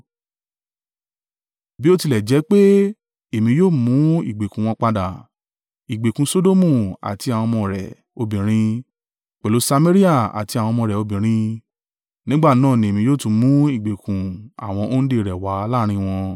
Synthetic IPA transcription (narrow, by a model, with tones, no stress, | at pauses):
bi˦o˦ti˧˨lɛ˨d͡ʒɛ˨˦k͡pe˦ | e˨mĩ˧˦joː˦˨mũ˨˦ḭ˨ɡ͡be˨kũ˨w̃ɔ̃˧k͡pa˧da˨ | i˨ɡ͡be˨kũ˨˧so˦do˦mũ˦˨a̰˨ti˧a˨w̃ɔ̃˧mɔ̃˧ɾɛ̰˨ | o˧bĩ˨ɾ̃ĩ˧ | k͡pɛ˨lo˨˦sa˧me˦ɾi˦a˦˨a̰˨ti˧a˨w̃ɔ̃˧mɔ̃˧˨ɾɛ˨o˧bĩ˨ɾ̃ĩ˧˦ | nĩ˦ɡ͡ba˦˨nãː˦˨nĩ˨e˨mĩ˧joː˦˨tũ˧mũ˨˦i˨ɡ͡be˨kũ˨a̰˨w̃ɔ̃˧ʔo˦n̩˦de˦˨ɾɛ˨wa˨˦laː˦ɾ̃ĩ˧˦˧w̃ɔ̃˧